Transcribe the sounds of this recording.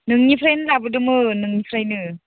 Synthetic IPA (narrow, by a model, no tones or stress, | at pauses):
nɯŋnipʰɾajnɯlabɯdɯmɯnɯŋnipʰɾajnɯ